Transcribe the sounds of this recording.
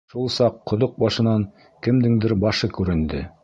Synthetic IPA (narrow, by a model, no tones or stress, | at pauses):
ʃulˠsɑqːŏðoq̚bɑʃɤ̆nɑŋ | kɘ̆md̪ɘŋd̪ɘɾbɑʃɤkʉɾɘ̆nd̪ɘ